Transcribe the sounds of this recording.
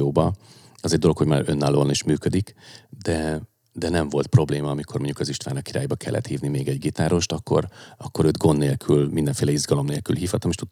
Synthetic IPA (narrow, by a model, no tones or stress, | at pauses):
oːbɒ | ɒzɛɟ̚d̪o̞lo̞kho̞ɟmaːɾø̞nːaːlːoːniʃmyːkød̪ikd̪ɛ | d̪ɛnɛɱvo̞lt̪̚pro̞bleːmɒɒmikʰo̞rmo̞ɲɟukɒziʃt̪vaːnɒkːiɾaːjbɒkʰɛ̰lːɛ̰t̪hiːvnimeːɡɛɟɡit̪aːɾo̞ʃt̪ɒkːo̞̰ɾɒkːo̞ɾøːd̪ɡo̞nːeːlkʰylmind̪ɛɱfeːlɛizɡɒlo̞mneːlky̰lɦiːfhɒt̪ːɒmeːʃt̪ut̪